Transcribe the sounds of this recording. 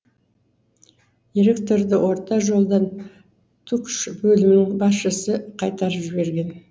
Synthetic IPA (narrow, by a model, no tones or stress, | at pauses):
d̪iɾe̞kt̪o̞ɾd̪əwʔo̞ɾt̪ɑʒo̞lˠd̪ɑn | t̪ʰukʃbɵlɪmɪnɪŋbɑsʃəsəqʰɑjt̪ɑɾəpʒɪβe̞ɾɡʲe̞n